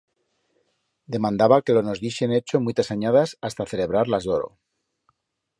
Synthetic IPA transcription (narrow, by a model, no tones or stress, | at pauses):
d̪e̞mãnd̪aβake̞lono̞zðiʃenet͡ʃomujt̪asaɲaðasast̪aθe̞le̞β̞ɾaɾlazðoɾo̰